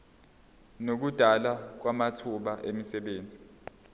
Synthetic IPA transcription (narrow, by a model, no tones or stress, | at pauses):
nok̬ud̥ʱalak̬wamatʰuɓaʔemisɛɓeːnd͡zʱi